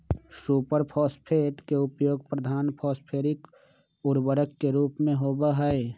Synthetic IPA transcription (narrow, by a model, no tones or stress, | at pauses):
suːpəɾpʰɔːspʰeːʈkeʊpjoːɡpɾəd̪ʱaːnpʰɔːspʰeːɾɪk | ʊɾbəɾəkːeɾuːpmẽɦoːbaɦɛe